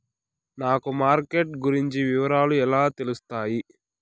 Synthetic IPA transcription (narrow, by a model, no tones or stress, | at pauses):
naːkumaːɾkeʈ̚ɡuɾiɲt͡ʃiʋiʋɐɾaːluɛlaːt̪e̞lust̪aːji